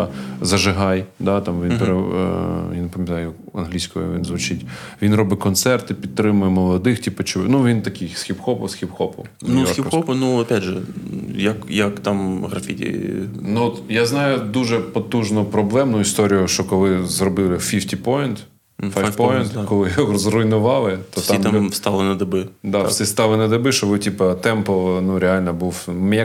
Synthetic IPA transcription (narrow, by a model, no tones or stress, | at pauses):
zɐʒɪɦɑjd̪ɑt̪ɑmʋʲinpeɾe | janepɐmʲjɐt̪ɑjʊ | ɐ̰nɦlʲisʲkɔjɔ̰ʋʲḭnzʋʊt͡ʃɪtʲʋʲinrɔbɪkɔnt̪sɛrt̪ɪpʲidt̪̚t̪ɾɪmʊjɛmɔlˠɔd̪ɪxtʲipɔt͡ʃɪʋnuʋʲint̪ɐkɪjsxʲipxɔpɔ̰wsxʲipxɔpɔ̰w | nuiɔpɔnuɐpʲadʒɛjɐkjɐkt̪amɦɾɐfʲitʲḭnuɔt̪jaznɑjʊd̪uʒɛpɔt̪uʒnʊpɾɔblˠɛmnʊist̪ɔɾʲijʊʃt͡ʃɔkɔlˠɪzrɔbɪlˠɪfʲiftʲipɔjɪnt̪ | fjpɔjɪnt̪kɔlˠɪjɔzrʊjnʊʋɑlˠɪt̪ɔsimt̪ast̪ɑlˠɪnɐd̪ɐbɪd̪asʲist̪ɑlˠɪnɐd̪ɪbɪʃt͡ʃɔʋɪtʲipɐt̪ɛmpɔnuɾʲealʲnɐbuwmɛ